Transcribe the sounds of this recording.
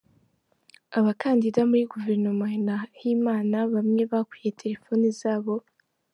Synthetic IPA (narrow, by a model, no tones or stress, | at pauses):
aβakaːndidamuɾiɡuve̞ɾnomoinajiːmaːnaβamŋe̞βakujetʰe̞ɾe̞fo̞nizaːβo̞